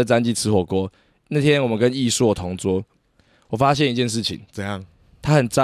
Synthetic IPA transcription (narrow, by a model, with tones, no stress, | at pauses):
ə˨t͡sa˦nt͡ɕi˥˨˩t͡sʰɹ̩˧˥˦xwɔ˨˩kwɔ˥˦ | na˥˨˩t̪ʰjɛ˥˦nwɔ˨˩mə˨˦nkə˦ni˥˧swɔ˥˩t̪ʰɔ˧˥ŋt͡swɔ˦˥ | wɔ˨˩fa˦ɕ̬jɛ˥˨ni˧˦t͡ɕjɛ˥˧nʂɻ̩˥˩t͡ɕʰḭ˨˦ŋt͡sə˧jɑ˥˨ŋ | t̪ʰa˦˥xə˨˩nt͡sa˦